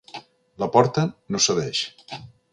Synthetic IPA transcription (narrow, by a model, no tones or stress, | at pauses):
ləpɔɾt̪ənosəðɛʃ